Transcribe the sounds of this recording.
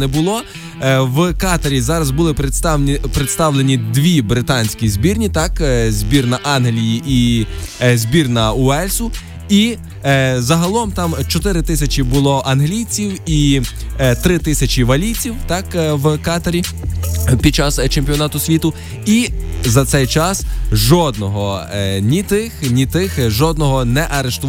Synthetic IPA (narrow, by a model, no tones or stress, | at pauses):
nɛbʊlˠɔ | wkɑt̪ɐɾʲizɑɾɐzbʊlˠɪpɾɪst̪pɾet̪st̪ɑwlˠenʲid̪ʋʲibɾɪt̪ɑnʲsʲkʲizʲbʲirnʲit̪ɑkzʲbʲirnɐʔɑnɦlʲijiʔi | zʲbʲirnɐʊɛlʲsʊ | i | zɐɦɐlˠɔmt̪ɑmt͡ʃɔt̪ɪɾɪt̪ɪsʲɐt͡ʃʲibʊlˠɔʔɐnɦlʲijt͡sʲiwi | t̪ɾɪt̪ɪsʲɐt͡ʃiʋɐlʲijt͡sʲiwt̪ɑkwkɑt̪ɐɾʲi | pʲid̪̚t͡ʃɑst͡ʃempʲijɔnɑt̪ʊsʲʋʲit̪ʊ | izɐt̪sɛjt͡ʃɑsʒɔd̪nɔɦɔnʲit̪ɪxnʲit̪ɪxʒɔd̪nɔɦɔnɛʔɐɾeʃt̪ʊ